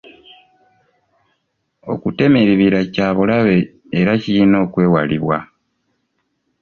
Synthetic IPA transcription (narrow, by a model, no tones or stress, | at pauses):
o̞̰kute̞meɾiβiɾacaːβulaβe̞ː | ɾacijino̞ːkwe̞ːwaliβwa